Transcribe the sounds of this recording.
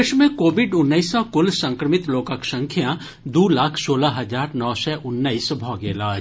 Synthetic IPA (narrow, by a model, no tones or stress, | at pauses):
eʃmẽkoːʋɪɖʊnːəisɔkʊlsə̃ŋkɾəmɪt̪loːkəksə̃ŋkʰjã | d̪uːlaːkʰsoːlaɦɐd͡ʒaːɾnɔːsɛʔʊnːəisbʱɔːɡeːlaː